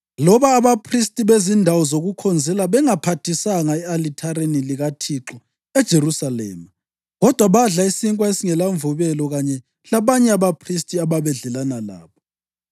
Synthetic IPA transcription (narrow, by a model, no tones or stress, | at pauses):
lɔβaːβapʰristʼiβezindʱawɔzoɣukʰɔnd͡zʱɛlaβɛŋapʰatʰisaŋaɛalitʰaɾeniliɣatʰiǁɔ | ɛd̥ʒ̥ʱeɾusalɛ̰ːma | ɣɔd̥ʱwaβaɮaisiŋkʼwaesiŋɛlaɱvuβɛlɔɣaɲɛ | laβaɲɛaβapʰristʼiaβaβɛɮɛlanala̰ːβɔ